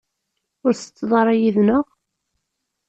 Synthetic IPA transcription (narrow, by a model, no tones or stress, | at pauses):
ʊɾsə̥t͡sːðˤɑɾˤæjiðnəʁ